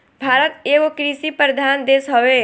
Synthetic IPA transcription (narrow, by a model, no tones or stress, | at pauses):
bʱaːɾət̪eːɡokɾisipɾəd̪ʱaːnd̪eːsɦɔʋe